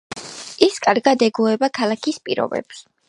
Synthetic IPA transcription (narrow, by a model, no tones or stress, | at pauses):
iskʼaɾɡad̪ɛɡuɛbakʰalˠakʰispʼiɾɔ̰bɛ̰ps